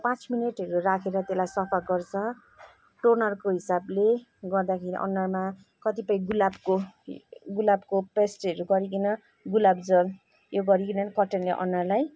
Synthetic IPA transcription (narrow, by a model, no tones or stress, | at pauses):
pãt͡smineʈɦʌɾurakʰeɾʌt̪elajsʌpʰalɡʌrt͡sʰʌ | ʈornʌrkoɦisable | ɡʌrd̪akʰeɾḭʔʌ̰nːʌrma | kʌt̪ipʌj̃ɡulabko | ɡulabkopesʈʌɾuɡʌɾik̬inʌ | ɡulabd͡zʌl | joɡʌɾikinʌnikʌʈenleʔʌ̰nːʌrlaj